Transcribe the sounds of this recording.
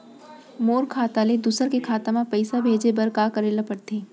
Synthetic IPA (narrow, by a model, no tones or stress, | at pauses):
moːɾkʰaːt̪aled̪usəɾkekʰaːt̪amãpəɪsabʱeːd͡ʒebɐɾkaːkəɾeːlapəɽt̪eː